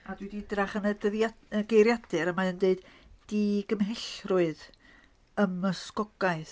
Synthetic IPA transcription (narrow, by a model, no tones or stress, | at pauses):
adwididraχənədəðaəɡejɾjad̥ɨɾəmaəndeɨd̥d̥iɡ̥əmɦɪɬrʊɨð | əməskɔɡ̥aɨθ